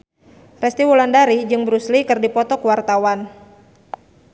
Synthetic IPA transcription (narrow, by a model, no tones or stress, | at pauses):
rɛst̪iwɔlandaɾid͡ʒɨŋbəɾuslikɨrdipɔt̪ɔkuwart̪awan